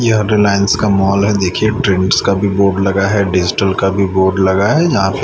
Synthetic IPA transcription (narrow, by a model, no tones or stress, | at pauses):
jeɦəɾilaːɪənskamɔːlɦɛd̪eːkʰieʈɾɪ̃ɳʈskabʱiboːɾɖlɐɡaɦɛɖɪd͡ʒɪʈəlkabʱiboːɾɖlɐɡaɦɛjɐɦãpɪ